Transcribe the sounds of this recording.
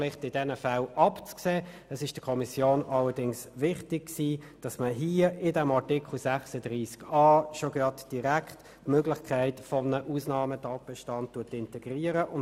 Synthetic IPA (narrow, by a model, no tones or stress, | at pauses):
lɪχtɪd̥ɛnəfælʔɑpt͡skseː | ɛsɪʃd̥əkʰɔmisjoːnɑlədɪŋsʋɪχtɪɡ̚ksiː | d̥ɑsməɦiːəɪdɛmɑʁtɪkχl̩sæχsəd̥ʁiːskɑːʃoɡ̥ɑtd̥iʁækʰt | møɡlɪχkʰæɪtfɔmnəʔuːsnɑːmətɑːt̚b̥ɛʃtɑnt̚tːuətɪntɛɡ̥ʁiːəɾəʔʊn